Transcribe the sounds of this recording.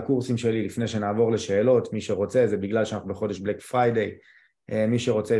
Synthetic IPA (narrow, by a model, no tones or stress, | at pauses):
kuʁsimʃe̞lilifnejʃe̞naːvo̞ʁle̞ʃe̞ːlo̞tmiʃe̞ʁo̞t͡se̞zebiɡlalʃeanaχnubeχo̞de̞ʃblekfʁajd̪ej | emiʃe̞ʁo̞t͡se